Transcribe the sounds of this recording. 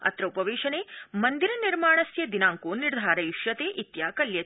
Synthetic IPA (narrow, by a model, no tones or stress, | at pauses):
ɐ̰t̪ɾɐupɐʋeːʃɐneːmɐnd̪iɾɐniɾmaːɳ̃ɐsjɐd̪inaːŋkoːniɾd̪ʱaːɾɐiʃjɐt̪eːʔit̪jaːkɐljɐ